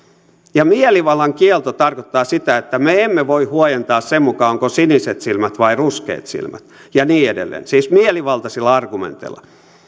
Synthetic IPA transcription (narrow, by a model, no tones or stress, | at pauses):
jɑmieliʋɑlːɑŋkielt̪ot̪ɑrkot̪ːɑːsit̪æet̪ːæmeemːeʋoihuojent̪ɑːssemmukɑoŋkosiniset̪silmæt̪ʋɑiruskḛːt̪sḭlmæt̪jɑniːedḛlːḛːnsiːsmieliʋɑlt̪ɑsilːɑɑrɡ̥umḛnt̪ḛlːɑ̥̰